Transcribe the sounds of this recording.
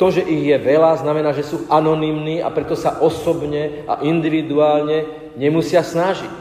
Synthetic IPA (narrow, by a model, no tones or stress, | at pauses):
t̪ɔʒɛʔiɣjɛʋɛlaznamɛnaːʒɛsuːʔanɔniːmniːa̰pɾɛt̪ɔsaʔɔsɔbɲɛ | a̰ʔind̪iʋid̪uaːlɲɛ | ɲɛmusɪasnaʒic